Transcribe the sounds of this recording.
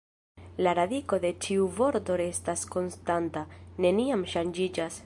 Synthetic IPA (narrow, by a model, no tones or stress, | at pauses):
laɾadiko̞d̪e̞t͡ʃiuvo̞ɾto̞ɾe̞stasko̞nstantane̞niamʃand͡ʒid͡ʒas